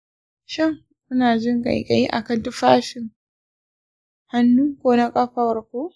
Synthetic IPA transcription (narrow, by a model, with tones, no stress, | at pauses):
ʃɪ˦ŋ | ʔʊ˦naː˨d͡ʒɪ˦ŋɡa̰˨jka̰˨ji˦ʔa̰˨kɐ˨ntʊ˦ɸaː˦ʃɪ˨ŋ | ha˦nːuː˦kʷoː˦na˦kʼa˦ɸa˦wɐ˨ɾkʷoː˦